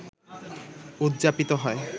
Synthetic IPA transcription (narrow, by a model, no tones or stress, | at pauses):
ud̪d͡ʑapit̪oɦɔe